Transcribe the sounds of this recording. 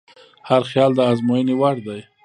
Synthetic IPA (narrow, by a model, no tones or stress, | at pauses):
haɾxjɑld̪əɑzmojənewaɽd̪aj